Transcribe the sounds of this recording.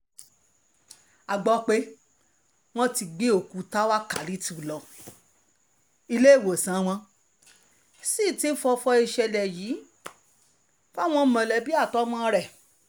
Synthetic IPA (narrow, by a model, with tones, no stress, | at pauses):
a˨ɡ͡bɔ˧˦k͡pe˦ | w̃ɔ̃˧˦ti˧ɡ͡be˦o˨ku˨˧˦ta˦wa˦ka˨li˨˦ti˧u˨lɔ˨ | i˧le˦i˦˨wo˨sã˨˦w̃ɔ̃˧ | si˦˨ti˦fɔ˧fɔ˧i˧ʃɛ˧lɛ˨jiː˨˦ | fa˦w̃ɔ̃˧˨mã˨lɛ˨˦bi˦a˦˨tɔ˦mã˦˧ɾɛ˦˨